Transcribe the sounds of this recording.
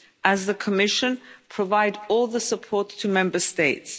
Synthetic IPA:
ʔəzðəkʰəmɪʃə̃npʰɹ̥əvaɪdɔːlˠðəsəpʰɔˑtʰəmɛ̃mbəsteɪts

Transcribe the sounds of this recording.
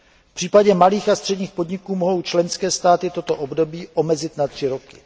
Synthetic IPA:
pr̝̥iːpaɟɛmaliːxast̪r̥ɛdɲiːxpo̞dɲɪkuːmoɦo̞wt͡ʃlɛnskɛːst̪aːt̪ɪt̪o̞t̪o̞ʔo̞bdo̞biːʔo̞mɛzɪt̪nat̪r̝̥ɪɾo̞kɪ̥

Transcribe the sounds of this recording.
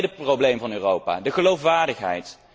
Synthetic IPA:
dəprowblejmvɑnyːrowpa̰ːdəχəlowfʋaːɹdəχɦɛ̰jt

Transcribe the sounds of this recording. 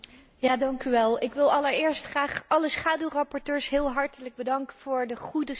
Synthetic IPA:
jaːdɑŋkyʋɛlˠɪkʋɪlˠɑləɹɪːɹstχraːχʔɑləsχaːdywrɑpɔɹtøːɹsɦɪːlˠɦɑɹtələɡ̚bədɑŋkəv̥ʊːɹdəχudə

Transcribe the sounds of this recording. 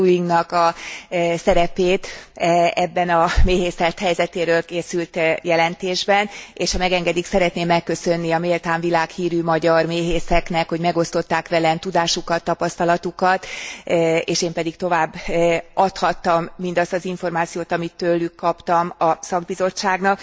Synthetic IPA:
ujiŋɡnɒkɒ | sɛɾɛpeːt̪ | ɛbːɛnɒmeːɦeːsɛt̪hɛjzɛt̪eːɾøːlkeːsylt̪jɛlɛnt̪eːʒbɛneːʃhɒmɛɡɛŋɡɛd̪iksɛɾɛt̪neːmːɛkːø̞sø̞nːiɒmeːlt̪aːɱvilaːkhiːɾymɒɟɒrmeːɦeːsɛknɛkho̞ɟmɛɡo̞st̪o̞t̪ːaːkʋɛlɛnt̪ud̪aːʃukɒt̪ːɒpɒst̪ɒlɒt̪ukɒt̪ | eːʃeːmpɛd̪ikt̪o̞vaːbːʔɒt̪hɒt̪ːɒmːind̪ɒst̪ɒziɱfo̞rmaːt̪sijoːt̪ɒmit̪ːølːykːɒpt̪ɒmɒsɒɡ̚bizo̞t͡ʃːaːɡnɒk

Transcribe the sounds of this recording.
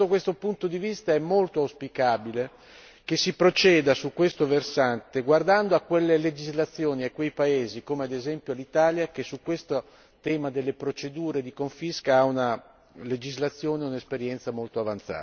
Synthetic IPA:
okwest̪opunt̪od̪ivist̪aɛmːolt̪oawspikaːbile | kesːipɾot͡ʃɛːd̪asukːwest̪oversant̪eɡward̪and̪oakːwelːeled͡ʒizlat̪sːjoːniakːwejpaeːzikoːmead̪ezɛmpjolit̪aːljak̟esːukːwest̪o | t̪ɛːmad̪elːepɾot͡ʃed̪uːɾed̪ikoɱfiskaauna | led͡ʒizlat̪sːjoːneunaespeɾjɛnt̪samolt̪oavant̪sa̰ː

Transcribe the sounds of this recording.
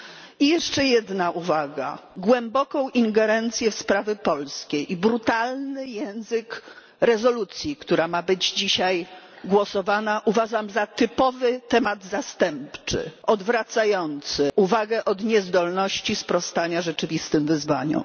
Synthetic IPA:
ijɛʂt͡ʂɛjɛd̪naʔuvaɡa̰ɡwɛmbɔkɔ̃w̃ʔiŋɡɛɾɛnt̪sʲjɛfspɾavʲɛpɔlskʲejʔibɾut̪alnɘjɛ̃w̃zɘk | ɾɛzɔlut̪sʲjikt̪uɾamabɘd͡ʑd͡ʑiɕaj | ɡwɔsɔvanaʔuvaʐamzat̪ɘpɔvɘt̪ɛmad̪zast̪ɛmpt͡ʂɘ̰ʔɔd̪vɾat̪sajɔnt̪sɘʔuvaɡɛʔɔd̪ɲɛzd̪ɔlnɔɕt͡ɕispɾɔst̪aɲaʐɛt͡ʂɘvʲist̪ɘmvɘzvaɲɔ̰̃

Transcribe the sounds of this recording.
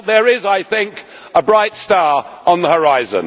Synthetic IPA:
ðəɹɪzaɪθɪ̃ŋk | əbɹaɪtstɑːɹə̃nðəhəɹaɪzə̰̃n

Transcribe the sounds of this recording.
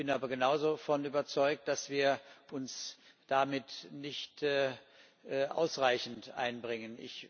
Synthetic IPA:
b̥ɪnʔaːbɐɡənaʊzofɔnyːbɐt͡sɔʏk̚t̚d̥asv̥iːɐʔʊns | d̥amɪtnɪçtː | ʔʔa̰ʊsʁaɪçn̩tʔa̰ɪnbʁɪŋənʔɪ̰ç

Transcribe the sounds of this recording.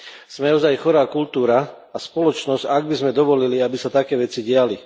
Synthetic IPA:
z̥mɛɔzajxɔɾaːkult̪uːɾa | aspɔlɔt͡ʃnɔz̥ɟaɡ̚bizmɛd̪ɔʋɔliliabisat̪akɛːʋɛt͡siɟɪali

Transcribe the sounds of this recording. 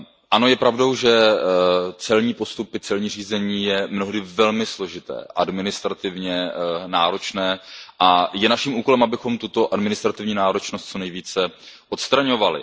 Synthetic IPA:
ʔano̞jɛpɾavdo̞wʒɛ | t͡sɛlɲiːpo̞st̪upɪt͡sɛlɲiːriːzɛɲiːjɛmno̞ɦdɪvɛlmɪslo̞ʒɪt̪ɛ̰ːʔa̰dmɪnɪst̪ɾat̪ɪvɲɛnaːɾo̞t͡ʃnɛːʔajɛnaʃimʔuːkolɛmʔabɪxo̞mt̪ut̪o̞ʔadmɪnɪst̪ɾat̪ɪvɲiːnaːɾo̞t͡ʃnost̪t͡so̞nɛjviːt͡sɛʔot̪st̪ɾaɲo̞valɪ̰

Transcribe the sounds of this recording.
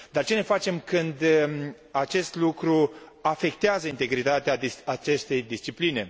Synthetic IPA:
d̪art͡ʃe̞ne̞fat͡ʃe̞mkɨnd̪ | at͡ʃe̞st̪lukɾuafe̞k̚t̪eazəint̪e̞ɡɾit̪at̪eaat͡ʃe̞st̪e̞jd̪ist͡ʃipline̞

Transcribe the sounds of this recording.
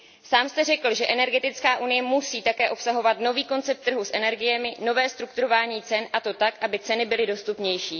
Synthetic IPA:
saːmst̪ɛrɛkl̩ʒɛʔɛnɛɾɡɛt̪ɪt͡skaːʔunɪjɛmusiːt̪akɛːʔo̞psaɦo̞vat̪no̞viːko̞nt͡sɛp̚t̪ːr̩ɦusʔɛnɛɾɡɪjɛmɪno̞vɛːst̪ɾukt̪uɾo̞vaːɲiːt͡sɛnʔat̪o̞t̪akʔabɪt͡sɛnɪbɪlɪdo̞st̪upɲɛjʃiː

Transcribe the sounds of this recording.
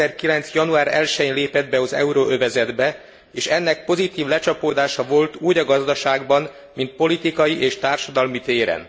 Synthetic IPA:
ɛrkilɛnsjɒnuaːɾɛ̰lʃɛɲleːpɛd̪bɛɒzɛ̰uɾoøvɛzɛd̪bɛ | eːʃɛnːɛk̚po̞zit̪iːvlɛt͡ʃɒpoːd̪aːʃɒvo̞lt̪uːɟɒɡɒzd̪ɒʃaːɡbɒn | mint̪̚po̞lit̪ikɒjiʔeːʃt̪aːrʃɒd̪ɒlmit̪eːɾɛ̰n

